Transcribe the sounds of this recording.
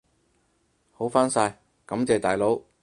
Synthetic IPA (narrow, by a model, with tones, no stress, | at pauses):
ho˨˥wfaː˥nsaː˧j | kɐ˨˥mt͡sɛː˨t̪aː˨jlo˨˥w